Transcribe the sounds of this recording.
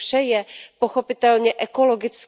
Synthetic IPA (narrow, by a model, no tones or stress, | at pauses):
ʃɛjɛpoxopɪt̪ɛlɲɛʔɛko̞loɡɪt͡s